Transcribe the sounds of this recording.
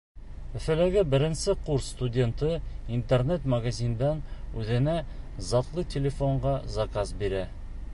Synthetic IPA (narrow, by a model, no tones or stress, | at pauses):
ɵ̆fɘ̆læɡɘbɘ̆ɾɘ̆nsɘquɾsːt̪udʲent̪ɤint̪ernet̪mɐɡazʲind̪ɑnʉðɘ̆næ | zɑt̪lˠɤtʲelʲɪfoɴɢɑzɐkazbiɾæ